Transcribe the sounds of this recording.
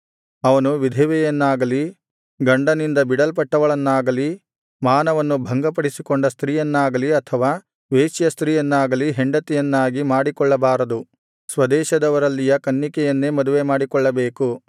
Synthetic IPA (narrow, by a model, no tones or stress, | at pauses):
ɐʋɐnuʋid̪ʱɛʋɛjɐnːaːɡɐli | ɡɐɳɖɐnind̪ɐbiɽɐlp̬ɐʈːɐʋɐɭɐnːaːɡɐli | maːnɐʋɐnːubʱɐŋɡɐpɐɽisikoɳɖɐst̪ɾiːjɐnːaːɡɐliɐt̪ʰɐʋaː | ʋeːt͡ʃjɐst̪ɾiːjɐnːaːɡɐliɦeɳɖɐt̪ɛjɐnːaːɡimaːɽikɔɭːɐbaːɾɐd̪u | sʋɐd̪ɛːʃɐd̪ɐʋɐɾɐlːijɐkɐnːikɛjɐnːemɐd̪uʋemaːɽikɔɭːɐbeːku